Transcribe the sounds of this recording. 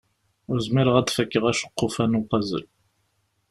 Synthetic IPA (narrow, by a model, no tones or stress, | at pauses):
ʊɾzmiɾəʁæd̪fəkːəʁæʃə̥qːofænuqɑzə̰l